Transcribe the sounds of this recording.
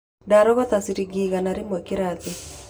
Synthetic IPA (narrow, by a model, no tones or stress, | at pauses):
daɾɔβat̪asiɾiɡiɣanaɾemwekeɾati